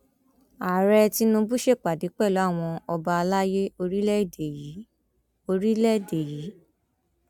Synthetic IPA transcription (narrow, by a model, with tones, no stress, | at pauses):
a˨ɾɛ˧ti˧˦nũ˧bu˦ʃe˦˨k͡pa˨di˨˦k͡pɛ˦˨lɔ˨˦a˦˨w̃ɔ̃˧ɔ˧ba˧a˧la˦je˦o˧ɾi˦lɛ˦˨de˨ji˨˦ | o˧ɾi˦lɛ˦˨de˨ji˨˦